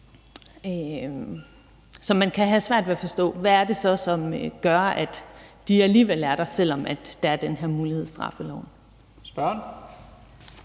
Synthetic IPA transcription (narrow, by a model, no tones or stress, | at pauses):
sɒ̽mænkʰæɦæsʋæɐ̰d̥ʋe̝æfɒ̽sd̥ɔ̰̽ːʋæːɐd̥e̝sɒ̽sɒ̽mɡ̥ɶɐæd̥d̥iæliːʋel̰æɐɾ̥ɑsel̰ɒ̽mʔæd̥ːɑ̈æɐd̥enɦeɐ̰muːliheð̰ˠsd̥ʁɑ̈fəlɒʊ̰n | sb̥ɶɐn